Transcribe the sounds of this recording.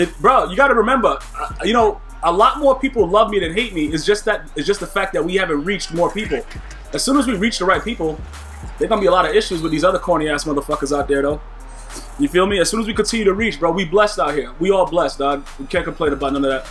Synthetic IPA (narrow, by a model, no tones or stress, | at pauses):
ɨbɹoʊjɨɡɑɾɨɹɨmɛ̃mbə˞ | ʌjɨñoʊ | əlɔt̚mɔɹpʰipl̩ˠlʌvmiɾɨ̃n̚ɦeɪt̚miɪɨzd͡ʒʌst̪̚ðɨt̪̚ɨtzd̥ʒ̥ʌst̚ðəfæk̚ðɨt̚wihævɨ̃nt̚ɹit͡ʃt̚mɔɹpipl̩ˠ | ɨz̥sʉ̃nəzwiɹit͡ʃðəɹaɪt̚pipl̩ˠ | ðəɪ˞ɡõnəbiəlɑɾʌɪʃʉzwəðizʌðə˞kʰɔɹñiæ̥sʌ̃mʌvðəfʌkəzaʊt̪̚ðə˞ðoʊ | njɨfilˠmiɨz̥sũnəzwikɨ̃ntʰɪ̃njɨɾɨɹit͡ʃb̥ɹowiblɛsdaʊt̚ɦiɹwiɔlˠblɛsd̥ɑwikʰæ̃nkəm̩pʰlẽɪ̃nəbaʊt̚ⁿnʌ̃nɨðæt̚